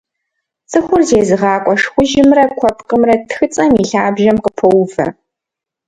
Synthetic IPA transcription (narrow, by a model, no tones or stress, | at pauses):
t͡sʼɨxʷʊrzeːzɨʁɑːkʷʼɔʂxʷʊʒɪmrɐkʷʰɔpʰqʼəmrɐtʰxɨt͡sʼɐmiɬaːbʒɐmqʼəpʰɐwʊvɐ̰